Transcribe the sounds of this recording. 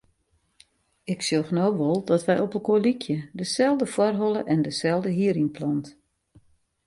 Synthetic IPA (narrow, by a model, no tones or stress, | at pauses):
ɪksjoxnowʋɔlˠdɔtʋɛjɔpəlˠkoəlikʰjədəsɛlˠdəfwɔrɦɔlˠəʔɛndəsɛlˠdəɦiəɾinplɔnt